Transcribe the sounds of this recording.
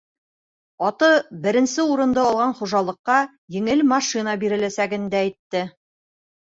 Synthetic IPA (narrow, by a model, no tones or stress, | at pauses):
ɑt̪ɤbɘ̆ɾɘ̆nsɘuɾɤ̆nd̪ɤɒlˠʁɑnχuʒɑlˠɤ̆qːɑ | jɘ̆ŋɘlmɑʃinɑbiɾɘ̆læsæɡɘnd̪æːjt̪ːɘ